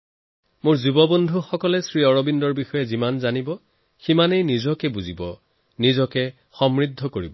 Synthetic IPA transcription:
mʊɹzubɔbondʱuxɔkɔlɛsɹiɔɹɔbindɔɹbixɔjɛzimanzanibɔ | ximanejnizɔkɛbuzibɔ | nizɔkɛ | xɔmɹid̪ʱːɔkoɹḭbɔ

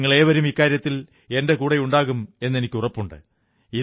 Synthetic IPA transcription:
ŋːɐɭeːʋɐɾumikːaːɾjɐt̪ːil | e̞nde̞kuːɽejuɳɖaːɣume̞nːe̞nikʲːurɐpːuɳɖɨ̰ | i

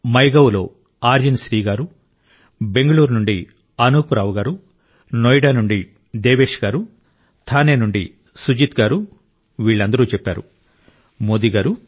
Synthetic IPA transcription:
mɐjɡɐwlo̞ː | aːɾjɐnʃɾiːɡaːɾu | be̞ŋɡɐɭuːɾnuɳɖi | ɐnuːpuɾaːʋɡaːɾu | nojɖaːnuɳɖi | d̪eːʋeːʂɡaːɾu | t̪ʰaːneːnuɳɖi | sud͡ʒit̪ɡaːɾu | ʋiːɭːɐnd̪ɐɾuːt͡ʃɛpːaːɾṵ | moːd̪iɡaːɾu

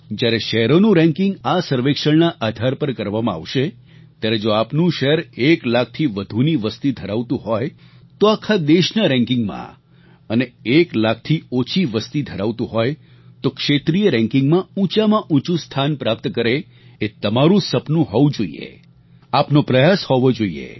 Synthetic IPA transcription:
d͡ʒjaɾeʃəɦɾonũɾɛ̃ŋkɪ̃ŋɡasəɾʋekʃəɭnaʔad̪ʱaɾpəɾkəɾʋamãa̰ʋʃe | t̪jaɾed͡ʒoapnũʃəɦɾeklak̚ʰt̪ʰiʋəd̪ʱuniʋəst̪id̪ʱəɾaʋt̪ũɦɔj | t̪oakʰad̪eʃnəɾɛ̃ŋkɪ̃ŋɡmã̰ | əneeklak̚ʰt̪ʰiot͡ʃʰiʋəst̪id̪ʱəɾaʋt̪ũɦɔj | t̪okʃet̪ɾijəɾɛ̃ŋkɪŋɡmãũt͡ʃamãʔũt͡ʃũst̪ʰanpɾap̚t̪kəɾe | et̪əmaɾũsəpnũɦɔʋũd͡ʒoḭḛ | apnopɾəjashɔʋod͡ʒoḭḛ

